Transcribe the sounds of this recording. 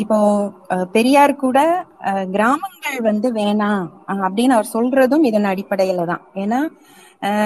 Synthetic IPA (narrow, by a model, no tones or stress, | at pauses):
ɪpːoːpɛɾɪjaːɾkuːɽɐɡɪɾaːmɐŋɡɐɭʋɐnd̪ɯʋeːɳãːɐpːɐɽɪnːɐʋɐɾsɔlrɐðɯ̃mɪðɐnːɐːɽɪpːɐɽɐjɪlɐt̪ã̰ːeːnːaː